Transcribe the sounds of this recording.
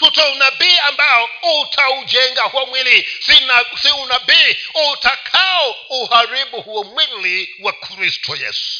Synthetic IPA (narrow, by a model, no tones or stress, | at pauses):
tutʰɔunabiambajɔutʰaud͡ʒɛŋɡahwamwilisinasiunabiutʰakʰaɔuhaɾibuhuwamwiliwakʰɾistʰɔjɛ̰ːsu̥